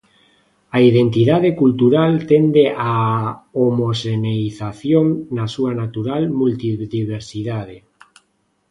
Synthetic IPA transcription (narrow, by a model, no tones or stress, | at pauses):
aiðent̪iðað̞ekult̪uɾalt̪end̪eʔaomoseneiθaθjoŋnasuanat̪uɾalmult̪iðiβeɾsiðaðe